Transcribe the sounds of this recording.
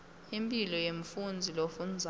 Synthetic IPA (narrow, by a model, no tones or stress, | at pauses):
impʼilɔjeɱfund͡zʱilofund͡zʱ